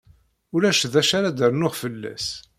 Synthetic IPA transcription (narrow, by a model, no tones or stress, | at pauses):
ʊɾæʃðæʃaɾad̪əɾnʊʁfəlːæ̰s